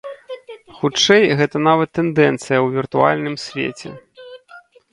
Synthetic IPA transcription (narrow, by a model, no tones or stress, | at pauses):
xut͡ʂɛjɣɛt̪ɐnavɐt̪ːɛnd̪ɛnt̪sɨjɐwvʲirt̪ua̰lʲnɨmsʲvʲḛt͡sʲɛ̰